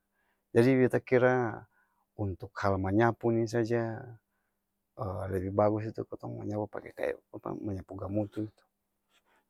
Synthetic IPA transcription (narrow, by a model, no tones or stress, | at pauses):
d͡ʒadibɛt̪akiɾa | unt̪ukhalmaɲapunis̬ad͡ʒa | əlɛbibaɡus̬it̪ukɔt̪ɔŋma̰ɲapapa̰kɛka̰apa̰maɲapuɡamut̪uit̪u̥